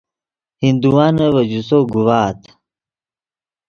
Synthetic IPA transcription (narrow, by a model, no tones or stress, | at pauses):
hind̪uwaːnɐwɐd͡ʑusoɡuwaːt̪